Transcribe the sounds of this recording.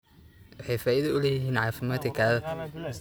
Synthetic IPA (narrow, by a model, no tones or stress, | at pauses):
wɑħɛjfaːʔɪðɐʊlɛjɪɦiːnʕɑːfɪmaːd̪kʰɐkʰaːðɐ